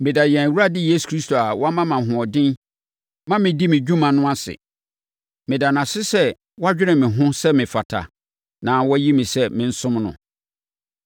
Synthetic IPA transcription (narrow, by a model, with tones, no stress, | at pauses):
mɪ̃˨da˨jɛ̃˨wu˦ɾa˦dɪ˦je˦su̥˨kʰɾi˦stʰo˨a˨wʔɔ˦a˦mã˦mã˨ɦʊ̃˨ɔ˨dɪ̃˦n | mã˦mɪ̃˨di˦mɪ̃˨d͡ʑᶣũ˦mã˨nʊ̃˦a˦sɪ̰˨ | mɪ̃˨da˨n˨ã˨sɪ˦sɛ˦ | wɔ˦a˦d͡ʑᶣɪ˦ɾɪ̃˨mɪ̃˨ɦʊ̃˦sɛ˦mɪ̃˨fa˨tʰa̰˨ | nã˨wɔ˦ji˦mɪ̃˨sɛ˦mɪ̃˨n̩˦sʊ̃˦mnʊ̰̃˨